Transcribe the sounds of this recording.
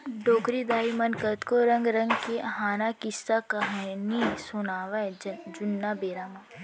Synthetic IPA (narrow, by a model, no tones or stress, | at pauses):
ɖoːkɾid̪aːimɐnkət̪koɾɐ̃ŋɡɾɐ̃ŋɡkeɦaːnakɪsːakɐɦanisʊnaːʋad͡ʒʊnːabeːɾaːmãː